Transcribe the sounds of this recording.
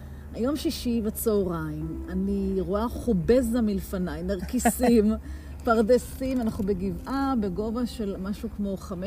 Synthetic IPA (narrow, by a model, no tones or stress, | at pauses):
hajo̞mʃiʃivat͡soːʁaimaniʁoaχubezamilfanajnaʁkisim | paʁdesimanaχnubeɡivʔabeɡo̞vaʃe̞lmaʃukmo̞χame